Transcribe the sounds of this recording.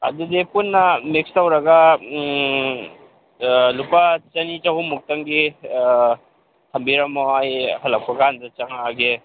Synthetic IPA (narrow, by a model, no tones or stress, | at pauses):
ɐ̰dudipunːɐmikstɐwɾɐɡa | lupat͡ʃɐnit͡ʃɐɦumuk̚tɐŋɡi | t̪ʰɐmbiɾɐmːoajhɐlɐk̚pɐɡandɐt͡ʃɐŋaɡe